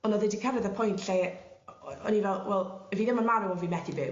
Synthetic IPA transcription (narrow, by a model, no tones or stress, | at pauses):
ɔnɔðɪdikʰɛrɨðəpʰɔjntʰɬe | ɔ̰nivɛlˠwɛlˠɛviðɪmanmaɾɛwɔvimɛdibɨː